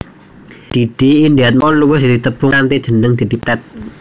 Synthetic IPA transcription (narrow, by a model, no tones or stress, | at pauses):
d̪̥id̥iːndiat̪̚mɔluwɪsdd̪̥it̪əb̥uŋant̪ed̥ʒ̥ə̤nəŋd̪̥id̪̥i̤t̪ɛt̪̚